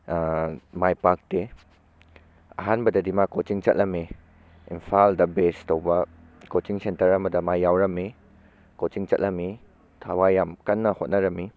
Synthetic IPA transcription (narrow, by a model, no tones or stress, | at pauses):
majpak̚de | ɐ̰ɦanbɐdɐdimakot͡ʃiŋt͡ʃɐt̚lɐmi | impʰaldɐbestowbɐ | kot͡ʃiŋsentɐɾɐmɐdɐmajːawɾɐmi | kot͡ʃiŋt͡ʃɐt̚lɐmi | tʰawajamkɐnːɐhot̚nɐɾɐmi